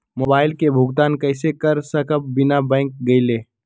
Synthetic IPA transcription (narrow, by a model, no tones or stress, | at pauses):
moːbaːɪlkebʱʊɡt̪aːnkɐɪsekɐɾsɐkəp̚bɪnabɛ̃ːŋk̚ɡɐɪleː